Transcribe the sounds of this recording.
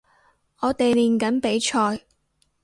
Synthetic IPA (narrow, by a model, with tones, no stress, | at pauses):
ɔː˨˧t̪e˨jliː˨nkɐ˨˥npe˨˥jt͡ʃʰɔː˧j